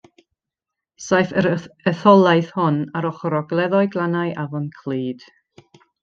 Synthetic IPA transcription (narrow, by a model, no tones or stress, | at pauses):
sajfəəθɔlˠajθhɔnaɾɔχɔɾɔɡlˠɛðɔɨɡlˠanajʔavɔnkʰl̥ˠiːd̥